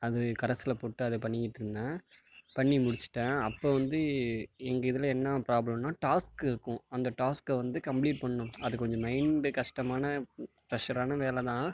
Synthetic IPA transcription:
ɐðɯkɐɾɐsɪlɐpoːʈːɯɐðɯpɐɳːɪjɪʈːɾɯnd̪ãː | pɐɳːimʊɽɪt͡ʃːɯ̥ʈːãːɐpːoːʋɐnd̪ɯɛŋɡɐɪðɯlɐɛnːɐpɾaːblɐmnaːʈaːskɪɾɯkːʊ̃ɐnd̪ɐʈaːskʋɐnd̪ɯkɐmpliːʈ̚pɐɳːʊ̃ɐðɯkɔɲd͡ʒɔ̃mɐɪɳɖɯkɐʂʈɐmaːnɐpɾɐʂɐɾaːnɐʋeːlɛt̪ãː

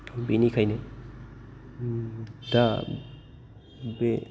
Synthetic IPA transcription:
binikʰajne | da | be

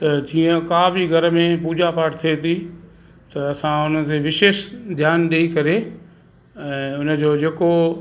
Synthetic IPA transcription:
t̪ɐd͡ʑiːə̃kaːbʱiɡʱɐɾə̆mẽpuːd͡ʑapaːʈʰt̪ʰiet̪ʰi | t̪ɐɐsãʊn̤ə̆t̪eʋɪʃeːʃd̪ʱjaːnɗeikɐɾe | ɛ̃ːʊnə̆d͡ʑoːd͡ʑeːko

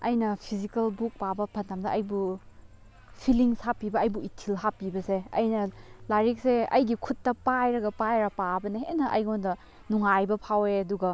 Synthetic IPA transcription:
ɐjnɐpʰizikɐlbuk̚pabɐpʰɐntʰamdɐɐjbu | pʰiliŋsapibɐɐjbuitʰilhapibɐseɐ̰jnɐlaɾik̚seɐ̰jɡikʰutːɐpajɾɐɡɐpajɾɐpabɐnɐɦenɐʔɐ̰jɡondɐ | nuŋajbɐpʰaweɐduɡɐ

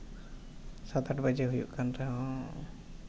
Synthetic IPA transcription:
sat̪aʈbad͡ʒɛɦujṵʔkanɾɛɦɔ̃

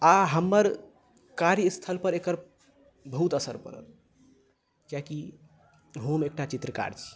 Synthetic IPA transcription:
aɦəmːəɾ | kaɾjist̪ʰəlpəɾekəɾ | bəɦut̪əsəɾpə̰ɾə̰l | kjaki | ɦomek̚ʈat͡ʃit̪ɾəka̰ɾt͡ʃʰi̥

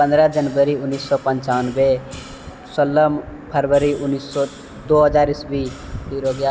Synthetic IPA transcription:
pə̃nd̪ɾəd͡ʒənbəɾiʊnːisːɔpənt͡ʃawənbe | səlːəmpʰəɾbəɾiʊnːiːsːɔ | d̪oɦəd͡ʒaɾisbit̪iɾoɡja

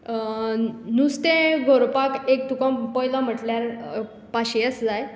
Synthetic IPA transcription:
nust̪ẽɡʱoɾpakek̚t̪ukãpɔjlam̤əʈljaɾ | paɕijət͡sd͡zaj

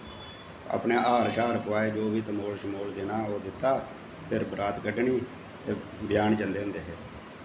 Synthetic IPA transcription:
a̰ːpɳeːʔaːɾʃaːɾkəʋaːeːd͡ʒoːʋiːt̪əmoːlʃmoːld̪enaːoːd̪ɪt̪ːaː | pʰɪɾbɾaːt̪ɡəɖɳiː | t̪eːbjaːɳd͡ʒənd̪eːɦʊ̃nd̪eːɦɛː

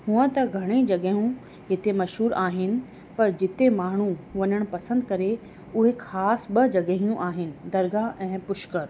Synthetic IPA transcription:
hũə̃t̪ɐɡʱɐɽ̃ed͡ʑɐɠəɦũ | ɦɪt̪emɐʃɦuːɾaːɦɪnɪ̆ | pɐɾd͡ʑɪt̪emaːɳ̤ũʋɐɲəɽ̃pɐsə̃nd̪kɐɾe | ʊɦexʰaːsɓɐd͡ʑɐɠɦijũʔaːɦɪnɪ̆d̪ɐɾɡaʔɛ̃ːpʊʃkəɾ

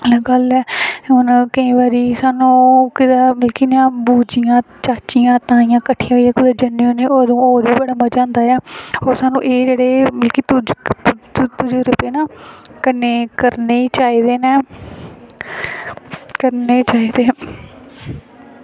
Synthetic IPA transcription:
lːɡəlɛːɦʊnkəĩːbaːɾiːsaːnũːkɪd̪aːmɪlkiːnãːbuːd͡ʒɪjãː | t͡ʃaːt͡ʃijãːt̪ãːijãːkəʈʰːijãːãːkʊd̪aːd͡ʒənːeoːneːoːd̪õːoːɾʋiːbəɽaːmaːd͡ʒãːnd̪aːɛːoːɾsaːnũːʔeːd͡ʒeːɽeːmɪlkiːt̪ʊd͡ʒ | t̪ʊd͡ʒeːɾʊpeːnaːkəneːkəɾneːt͡ʃaːiːd̪eːnɛː | kəɾneːt͡ʃaːiːd̪eː

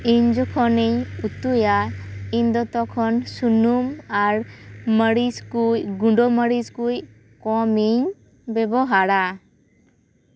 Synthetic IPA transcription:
iɲd͡ʒɔkʰɔneɲut̪ujaiɲd̪ɔt̪ɔkʰɔnsunumaɾməɾiskujɡuɳɖɔməɾiskuj | kɔmiɲ | bɛbɔɦaɾa

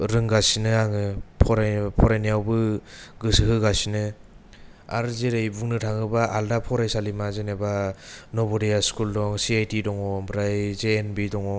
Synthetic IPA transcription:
ɾɯŋɡasinɯaŋɯpʰɔɾapʰɔɾajnijawbɯɡɯsɯɦɯɡasinɯ | a̰ɾzeɾejbuŋnɯtʰaŋɯbaʔaldapʰɔɾajsalimazenebanɔbɔɾijaskuldɔŋsiajtidɔŋɔbɾajzeenbidɔŋɔ

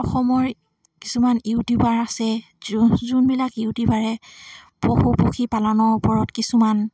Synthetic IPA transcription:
ɔxɔmɔɹ | ki̥sumaniwdibaɹasɛ | zunbilakiʊdibaɹɛ | poxupoxʰipalanɔɹupɔɹɔtkisuman

